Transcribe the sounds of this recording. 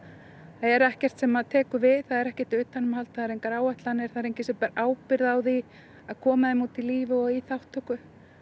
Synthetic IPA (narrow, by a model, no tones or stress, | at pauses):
θaðɛɾɛhcɛr̥t̪sɛmaðt̪ʰɛːkʏvɪðθaðɛɾɛhcɛ̥t̪ʏːt̪ːanːʏmhalt̪θaðɛɾejŋkaɾaːwɛht̪lanɛɾ̥θaðɾejɲcɪsɛpɛɾaʔaːwpɪɾðawði | aðkʰɔːmaðɪmut̪ɪliːvɪɔɣiθawht̪ːœkʏ